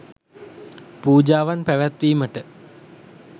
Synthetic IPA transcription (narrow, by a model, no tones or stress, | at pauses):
puːd͡ʑaːʋanpæʋæt̪ʋiːməʈə